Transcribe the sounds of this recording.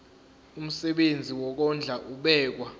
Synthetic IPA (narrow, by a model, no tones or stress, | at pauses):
um̩sɛɓend͡zʱiwɔk̬ɔnd͡ɮʱaʔuɓɛːk̬wa